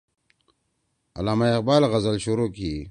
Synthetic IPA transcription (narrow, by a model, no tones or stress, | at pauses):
ɐ̰laːmaeqbaːlɣɐzəlɕuɾoːkiː